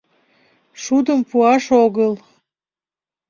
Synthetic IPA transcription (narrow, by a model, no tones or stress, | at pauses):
ʃud̪əmpuɑʃoɣəl